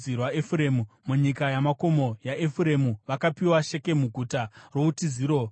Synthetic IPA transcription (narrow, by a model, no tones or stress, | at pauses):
irwaefuɾe̞ːmumuɲikajamako̞mo̞jaʔefuɾe̞muʋakapiwaʃe̞ke̞muɡʱutaro̞utiziːɾo̞